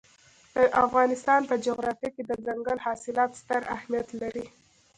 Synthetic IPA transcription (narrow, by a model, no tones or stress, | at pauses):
d̪̥əʔafɣɑnɪst̪ɑnpəd͡ʒoɣɾɑfjaked̪əzaŋɡəlhɑsɪlɑt̪st̪əɾa̰hmijat̪laɾi